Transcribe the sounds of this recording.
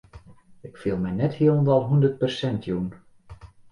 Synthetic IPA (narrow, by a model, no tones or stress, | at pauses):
ɪkfilˠmɛjnɛthiəlndɑlˠɦundərt̚pərsɛntʰjun